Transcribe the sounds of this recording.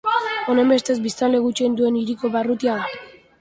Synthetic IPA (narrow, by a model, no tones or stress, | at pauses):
o̞nembe̞st̪e̞zbist̪anle̞ɣut͡ʃe̞ind̪ue̞niɾiko̞βarut̪iaða